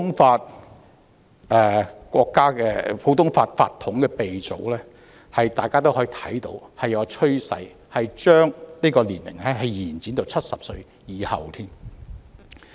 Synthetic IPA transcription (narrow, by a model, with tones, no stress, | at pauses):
ʊ˥ŋfaː˧t̚ | ʔɛː˨kʷɔː˧kːaː˥kɛː˧pʰo˨˥wt̪ʊ˥ŋfaː˧t̚fa̰ː˧t̪ʰːʊ˨˥ŋkɛː˧pe˨jt͡so˨˧˥wlɛː˥ | hɐ˨jt̪aː˨jkaː˥t̪̬o˥whɔː˨˧˥i˨˧˩t̪ʰɐ̰˨˥jt̪o̰˧whɐ˨jɐ˨˧t͡ʃʰɵ˥ɥsɐ̰˨˧j | hɐ˨jt͡ʃœː˥ŋniː˥kɔː˧liː˨˩nmɪ̰˨˩ŋhɐ˨˥ɦɐ˨˧jjiː˨˩nt͡siː˨˥nt̪o˨˧wt͡sʰɐ˥t̚sɐ˨p̚sɵ˧ɥ | jiː˨˧hɐ̰˨wt̪ʰiː˥m